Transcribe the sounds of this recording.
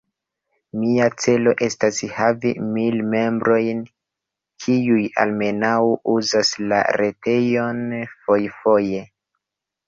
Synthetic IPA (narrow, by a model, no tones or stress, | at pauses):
miat͡se̞lo̞ʔe̞stashavḭmilme̞mbɾo̞jn | kʰiuja̰lme̞nawuzasla̰ɾete̞jo̞nfo̞jfo̞je̞